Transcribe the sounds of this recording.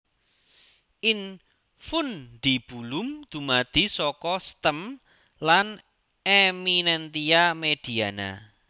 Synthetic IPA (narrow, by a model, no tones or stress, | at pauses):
ʔɪn | fʊnɖ̪̥i̤b̥ulʊmd̪̥ṳmad̪̥isɔkɔst̪əm | lan | eminɛnt̪iamed̪̥i̤ana̰